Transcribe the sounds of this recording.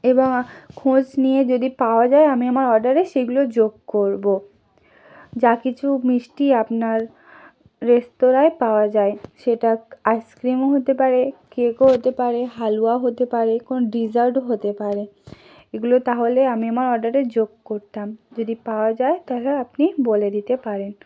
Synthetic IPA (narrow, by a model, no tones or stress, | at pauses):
eboŋkʰõd͡ʑnijed͡ʑod̪ipaoad͡ʑaeamiamaɾɔɾɖaɾeʃeɡulod͡ʑoɡkoɾbo | d͡ʑakit͡ɕʰumiʃʈiapnaɾː | est̪oɾaepaoad͡ʑaeʃeʈaajskɾimoɦot̪epaɾekekoɦot̪epaɾeɦaluaɦot̪epaɾekonoɖid͡ʑaɾɖɦot̪epaɾe | eɡulot̪aɦoleamiamaɾɔɾɖaɾed͡ʑoɡ̚koɾt̪amd͡ʑod̪ipaoad͡ʑaet̪aɦlaapniboled̪it̪epaɾen